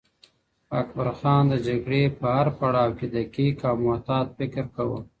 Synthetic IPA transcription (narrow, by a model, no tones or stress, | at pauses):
akbaɾxɑːnd̪əd͡ʒaɡɽepəhaɾpaɽɑwked̪akikɑmat̪ɑːt̪̚fɪkɾkawə̰